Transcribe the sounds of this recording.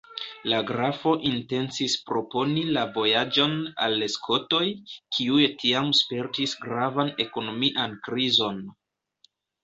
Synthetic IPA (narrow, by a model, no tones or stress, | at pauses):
laɡɾafo̞ʔinte̞nsispɾo̞po̞nilavo̞jad͡ʒo̞na̰lːeskʰo̞to̞jkʰiujtʰiamspe̞ɾtisɡɾavane̞ko̞no̞miʔankɾizo̞n